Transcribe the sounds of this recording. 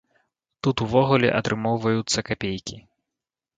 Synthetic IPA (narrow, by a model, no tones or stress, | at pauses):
t̪ut̪uvɔɣulʲɛ̰ʔɐt̪ɾʔɨmɔwvɐjut̪sːɐkapʲejkʲi